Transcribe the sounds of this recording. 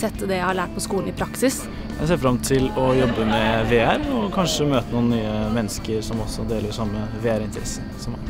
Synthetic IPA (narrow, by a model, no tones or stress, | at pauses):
ɛt̪ːd̪ɛjæhɑɭæːʈ̚pʰɔskuːln̩ɪpʰɾɑksɪs | jjæ̰ɪs̬eːɾfɾɑmt̪ʰɪlɔjɔbːəmɛʋeːæɾɔkʰɑnʂəmøːt̪ənuːnnːyːəmɛnːəskəɾʂɔmɔsːɔd̪eːləɾʂɑmːəʋeːæɾɪnt̪əɾɛsənsɔmɑ̰